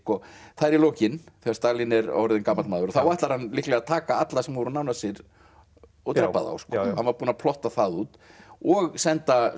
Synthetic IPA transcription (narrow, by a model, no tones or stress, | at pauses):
kɔθaðɛɾiloːwcɪnθɛːɣḁɾst̪aːlɪnɛɾɔ̰ɾðɪnkaːmalmaːðʏɾɔθawvajht̪laɾ̥hanːlɪhklɛɣat̪ʰaːkaat̪lasɛmʏɾʏnawnasɪɾ | ɔt̪ɾɛpːaða̰wskɔhanvaɾpuːnapʰlɔht̪aθaðuːt̪ɔɣsɛnt̪a